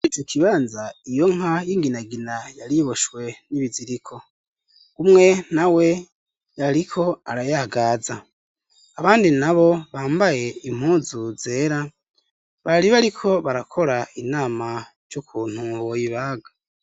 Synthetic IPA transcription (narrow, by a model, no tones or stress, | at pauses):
it͡ʃokʰiβaːnzaijo̞ŋajiŋɡinaɡinajaɾiβoʃwe̞niβiziɾikʰo̞ | umŋe̞nawe̞ | jaɾikʰo̞aɾajaɡaːzaː | βaːndinaβo̞βaːmbaje̞im̥huːzuze̞ːɾa | βaɾiβaɾikʰo̞βaɾakʰo̞ɾainaːmaɾjukʰuːn̥huβojiβaːɡa